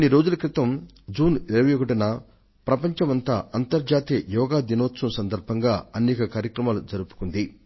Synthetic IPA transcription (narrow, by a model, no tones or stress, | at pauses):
ɐniɾo̞ːd͡ʒulɐkɾit̪ɐm | d͡ʒuːniɾɐʋɐjokɐʈɐnɐ | pɾɐpɐɲt͡ʃɐmɐnt̪aːɐnt̪ɐɾd͡ʒaːt̪ijɐjɔːɡaːd̪inoːtsumsɐnd̪ɐɾbʱɐŋɡaːɐnɛːkɐkaːɾjɐkɾɐmaːlud͡ʒɐɾupu̥kund̪i